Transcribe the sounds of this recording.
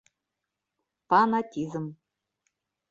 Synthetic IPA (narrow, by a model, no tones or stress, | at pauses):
fanatʲizɨm